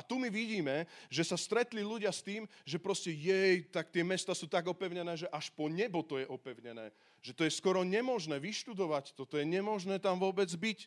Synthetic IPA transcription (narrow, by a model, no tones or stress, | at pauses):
at̪umiʋiɟiːmɛʒɛsast̪ɾɛt̪liluɟɪast̪iːmʒɛpɾɔscɛjɛjt̪akt̪ɪɛmɛst̪aːsuːt̪aɡɔpɛʊɲɛnɛːʒɛʔaʃpɔɲɛbɔt̪ɔjɛʔɔpɛʊɲɛnɛ̰ː | ʒ̥ɛt̪ɔjɛskɔɾɔɲɛmɔʒnɛːʋiʃt̪ud̪ɔʋact̪ɔt̪ɔjɛɲɛmɔʒnɛːt̪amʋʊɔbɛd͡zbic